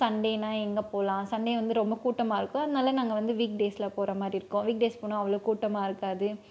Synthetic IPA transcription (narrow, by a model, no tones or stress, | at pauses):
sɐɳɖeːnaːɛŋɡɐpoːlãːsɐɳɖeːʋɐnd̪ɯɾɔmbɐkuːʈːɐmaːɪɾɯkːʊ̃ɐðɯnaːlɐnaːŋɡɐʋɐnd̪ɯʋiːk̚ɖeːslaːpoːɾɐmaːd̪ɾiɪɾɯkːʊ̃ʋiːk̚ɖeːspoːnʊ̃ɐʋɐɭoːkuːʈːɐmaːɪɾɯkːaːðɯ